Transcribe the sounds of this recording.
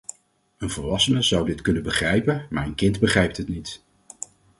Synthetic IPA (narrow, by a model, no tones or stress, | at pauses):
ənvəɹʋɑsənəzʌwdɪtkɵnəbəχrɛjpənmaːɹənkɪndbəχrɛjp̚tɦətnit